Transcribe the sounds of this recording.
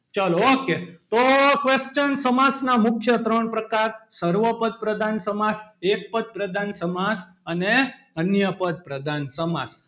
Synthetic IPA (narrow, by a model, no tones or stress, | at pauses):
t͡ʃalooket̪okʋest͡ʃənsəmad͡ʒnamʊkʰjət̪ɾəɳpɾəkaɾsəɾʋəpəd̪̚pɾəd̪ʱansəmad͡ʒek̚pəd̪̚pɾəd̪ʱansəmad͡ʒ | əne | ənjəpəd̪̚pɾəd̪ʱansəmad͡ʒ